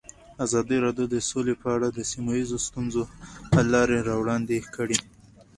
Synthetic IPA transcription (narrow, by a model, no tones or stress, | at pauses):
azɑd̪iɾɑdjod̪əsolepəaɽad̪əsimajizost̪unzopəlɑɾeɾɑwɽɑnd̪ekəɽi